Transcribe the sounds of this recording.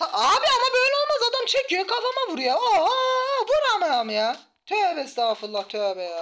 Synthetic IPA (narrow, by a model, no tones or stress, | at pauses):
haaːbiamabøjlʲɛo̞lˠmazad̪amt͡ʃʰecʰjokʰafamavuɾujao | buɾamaamja | t̪ʰɛbɛst̪afɯlˠːat̪ʰøbɛja